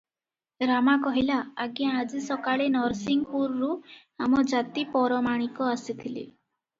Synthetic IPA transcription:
ɾamakɔɦilaaɡijãːd͡ʒisɔkaɭenɔɾsiŋɡpuɾɾu | amɔd͡ʒat̪ipɔɾɔmaɽ̃ikɔasit̪ʰilḭ

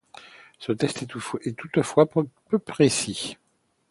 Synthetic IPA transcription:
sət̪ɛst̪ɛt̪ut̪fwappøpχesi

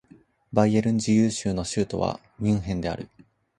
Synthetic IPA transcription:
baieɾɯ̟̃ɲ̟d͡ʑijɯːɕɨːno̞ɕɨːt̪o̞̰βa̰ | mʲĩɰ̃ɦẽ̞nd̪e̞a̰ɾɯ̟

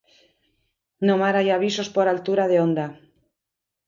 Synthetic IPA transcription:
nomaɾajaβ̞iso̞spoɾalt̪uɾaðeond̪a

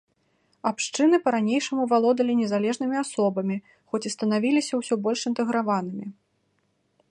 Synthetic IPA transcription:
apʂt͡ʂɨnɨpɐɾanʲejʂɐmuvalˠɔd̪ɐlʲinʲɛzalʲɛʐn̪ɨmʲiasɔbɐmʲi | xɔt͡sʲist̪ɐnavʲilʲisʲɐwsʲɔbɔlʲʂint̪ɨɣɾavanɨmʲi

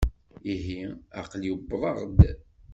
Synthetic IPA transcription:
iɦiɑ̰qljəbːɾˤɑʁd̪

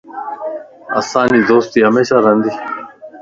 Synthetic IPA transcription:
ɐ̰ːsaːniːd̪oːst̪iːɦɐmeːɕaːɾɐnd̪iː

